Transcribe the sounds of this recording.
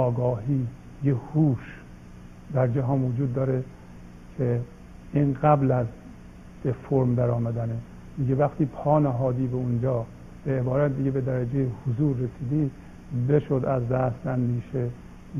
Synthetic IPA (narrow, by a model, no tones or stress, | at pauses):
ɒːɡɒːɦiː | jehuːʃ | d̪æɾd͡ʒæɦɒːnvod͡ʒuːd̪ːɒːɾe | kʰe | iːnɡæblæz | d̪efoɾmd̪æɾɒːmæd̪æne | miːɟevæxt̪ʰiːpʰɒːnæɦɒːd̪iːbeund͡ʒɒː | b̥eːbɒːɾæt̪̚d̪iɡebed̪æɾæd͡ʒejehozuːɾːesiːd̪iː | be̞ʃod̪æzd̪æst̪ænd̪iːʃe